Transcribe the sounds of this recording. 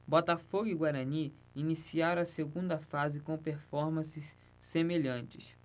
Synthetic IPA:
bɔt̪afoɡʊiɡwaɾɐ̃ni | inisiaɾɐ̃ɐseɡũnd̪ɐfazɪkõpeɾfɔɾmɐ̃sɪsː | emeʎɐ̃t͡ʃɪs

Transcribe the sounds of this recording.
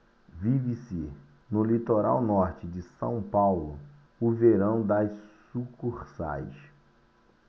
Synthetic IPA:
vivɪsɪ | nʊlit̪oɾa̰wnɔɾt͡ʃɪd͡ʒɪsɐ̰̃w̃pawlʊ | ʊveɾɐ̃w̃d̪ɐʃsukuɾsa̰jʃ

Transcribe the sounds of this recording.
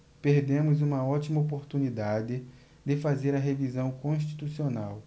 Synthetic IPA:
peɾd̪ẽmʊzũmɐɔt̪imɐop̬oɾt̪unid̪ad̪ɪ | d̪ɪfazeɾɐɦevizɐ̃w̃kõʃ̬t͡ʃi̥t̪usionaw

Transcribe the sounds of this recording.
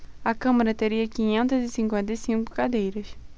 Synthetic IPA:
ɐkɐ̃mɐɾɐt̪eɾiɐkĩɲẽnt̪ɐzɪsĩŋkwẽnt̪ɐjsĩŋkʊ̥kad̪ejɾɐs

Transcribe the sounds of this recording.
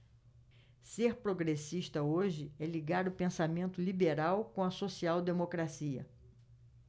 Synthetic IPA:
seɾpɾoɡɾesiʃt̪ɐoʒɪɛliɡaɾʊpẽsamẽnt̪ʊlibeɾawkõɐsosiawd̪emokɾasiɐ̰

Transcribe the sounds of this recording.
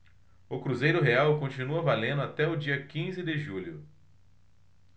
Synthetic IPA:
ʊkɾuzejɾʊɦeawkõt͡ʃinuɐvalẽnd̪ʊat̪ɛʊd͡ʒiɐkĩzɪd̪ɪʒulʊ

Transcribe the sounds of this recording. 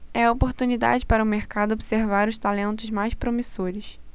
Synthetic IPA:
ɛɐopoɾt̪unid̪a̰d͡ʒɪpaɾɐʊmeɾkad̪ʊobi̥seɾvaɾʊʃt̪alẽnt̪ʊzmajspɾomisoɾɪs

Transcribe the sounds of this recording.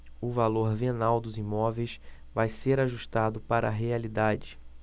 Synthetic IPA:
ʊvaloɾvenawd̪ʊzimɔvejs | vajseɾaʒuʃt̪ad̪ʊpaɾɐaɦealid̪ad͡ʒɪ

